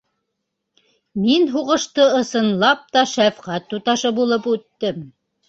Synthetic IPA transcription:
minɦuʁɤ̆ʃt̪ɤɤ̆sɤ̆nlˠɑp̚t̪ɑʃæfqæt̪ːut̪ɑʃɤbulˠɤpʉt̪ːɘm

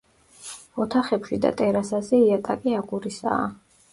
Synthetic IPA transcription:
ɔt̪ʰaχɛpʃid̪a̰t̪ʼɛɾasazɛiat̪ʼakʼiaɡuɾisa̰ː

